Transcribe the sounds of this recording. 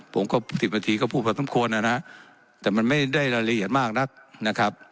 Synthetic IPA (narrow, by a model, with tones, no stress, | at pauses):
pʰo˩˦mkɔː˥˩t̪ʰi˨˩ba˧t̪ʰiː˧kɔː˥˩pʰuː˥˩pʰa˧˩sa˧˦mkʰu˧ənːa˧˩na˦˥ʔ | t̪ɛː˨˩ma˧nma˥˩jda˥˩jɾa˧ɾa˧ʔi˨˩ət̪̚maː˥˩k̚na˦˥k̚na˦˥kʰa˦˥p̚